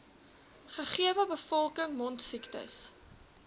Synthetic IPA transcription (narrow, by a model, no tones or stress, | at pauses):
χəχiəvəbəfɔlˠkəŋmɔntsiktə̰s